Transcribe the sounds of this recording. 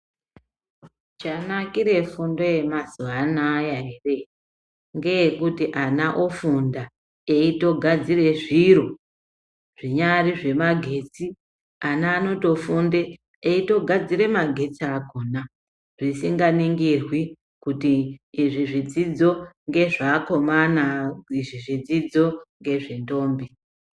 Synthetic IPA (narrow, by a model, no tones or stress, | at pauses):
t͡ʃanakiɾe̞fundo̞je̞mazuanajaere̞ | ŋɡe̞ekutiʔanaʔofunda | eito̞ɡʱad͡zire̞ʐiɾo̞ | ʐ̥iɲariʐe̞maɡʱe̞t͡si | anaːno̞to̞fundeː | ito̞ɡʱad͡ziɾe̞maɡʱe̞t͡siaɡʱona | ʐ̥isiŋɡaniŋɡirwi | kutiːʐiʐid͡zid͡zo̞ŋɡe̞ʐako̞manaiʐiʐid͡zid͡zo̞ŋɡe̞ʐento̞ːmbi